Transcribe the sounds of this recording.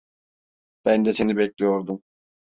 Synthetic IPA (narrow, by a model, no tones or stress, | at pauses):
b̥ænd̪ɛsenibɛclʲijoɾd̪um